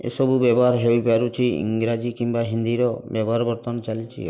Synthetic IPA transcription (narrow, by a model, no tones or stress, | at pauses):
ḛsɔbubɛbɔɦaɾɦewipaɾut͡ʃʰiḭŋɡɾad͡ʒikimbaɦind̪iɾɔbɛbɔɦaɾbɔɾt̪ɔnt͡ʃalit͡ʃʰḭ